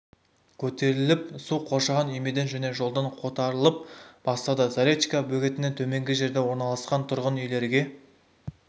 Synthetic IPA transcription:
kʲʰɵt̪e̞ɾɪlɪp̚suqʰo̞ʃɑʁɑnʏjmed̪e̞nʒæne̞ʒo̞lˠd̪ɑɴqʰo̞t̪ɑɾəlˠəp̚b̥ɑst̪ɑd̪ɑzaɾʲet̪ikɑbɵɡʲe̞t̪ɪnent̪ʰɵme̞ŋɡʲɪʒe̞ɾd̪e̞wo̞ɾnɑlˠɑsqɑnt̪ʰʊɾʁənʏjle̞ɾɡʲe̞

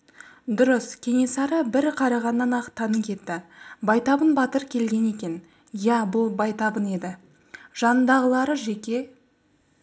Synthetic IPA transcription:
d̪ʊɾəskʲʰe̞ŋe̞sɑɾəbɪɾqʰɑɾɑʁɑnːɑnɑqt̪ʰːɑnəkʲʰe̞t̪ːɪbɑjt̪ɑbənbɑt̪əɾkʲʰe̞lɡʲe̞ne̞kʲe̞n | jæbʊlˠbɑjt̪ɑbəne̞d̪ɪ | ʒ̥ɑnənd̪ɑʁəlˠɑɾəʒe̞kʲe̞

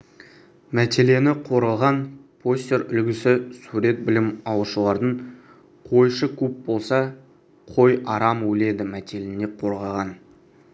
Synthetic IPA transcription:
mæt̪ʲe̞le̞nɪqʰo̞ɾəlˠʁɑnpʰo̞sʲt̪ʲe̞ɾʏlɡʲɪsɪsuɾe̞t̪̚bɪlɪmɑwəʃəlˠɑɾd̪əɴ | qʰo̞jʃəkʲʰɵp̚bo̞lˠsɑ | qʰo̞jʔɑɾɑmwɵle̞d̪ɪmæt̪ʰʲe̞lene̞qʰo̞ɾʁɑʁɑn

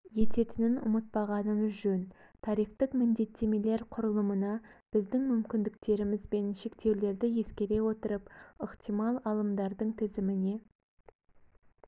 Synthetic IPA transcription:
je̞t̪e̞t̪ɪnɪnʊ̰mət̪̚pɑʁɑnəməzʒɵn | t̪ʰɑɾijft̪əqmɪnd̪e̞t̪ʰːe̞me̞le̞ɾqʰʊɾəlˠəmənɑb̥ɪzd̪ɪŋmʏmkʲɪnd̪ɪk̚t̪e̞ɾɪmɪzbe̞nʃe̞kt̪e̞wle̞ɾd̪ɪje̞skʲe̞ɾe̞wo̞t̪əɾəpəqt̪ijmɑlˠɑlˠəmd̪ɑɾd̪əɴt̪ʰɪzɪmɪne̞

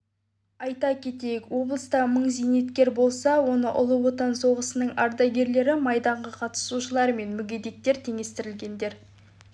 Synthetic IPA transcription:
ɑjt̪ɑkʲʰe̞t̪e̞jɪkwo̞blˠəst̪ɑməɴzejne̞t̪kʲe̞ɾbo̞lˠsɑwo̞nəʔʊ̰lˠəwo̞t̪ɑnso̞ʁəsənəɴɑ̰ɾd̪ɑɡʲe̞ɾle̞ɾɪmɑjd̪ɑɴʁəqʰɑt̪ə̥suʃəlˠɑɾme̞nmʏɡʲed̪e̞t̚t̪ːeɾt̪ʰeŋe̞st̪ɪɾɪlɡʲe̞nd̪e̞ɾ

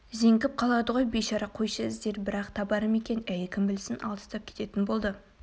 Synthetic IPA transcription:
ze̞ŋɡʲɪp̚qʰɑlˠɑd̪əʁo̞jbeʃɑɾɑqʰo̞jʃɑzd̪eɾbɪɾɑqt̪ʰɑbɑɾəme̞kʲe̞næjɪkʲʰɪmbɪlsɪnʔɑ̰lˠd̪ə̥st̪ɑp̚kʲʰe̥t̪e̞t̪ɪnbo̞lˠd̪ə

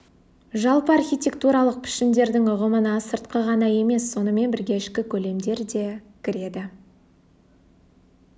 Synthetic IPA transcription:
ʒɑlˠpəɑrxʲijt̪ʲe̞k̚t̪uɾɑlˠəq̚pʰɪ̥ʃɪnd̪e̞ɾd̪ɪŋʊʁəmənɑsəɾt̪qəʁɑnɑje̞me̞sːo̞nəme̞nbɪɾɡʲeɪʃkʲɪkʲʰɵle̞md̪e̞ɾd̪e̞kʲʰɪɾe̞d̪ɪ

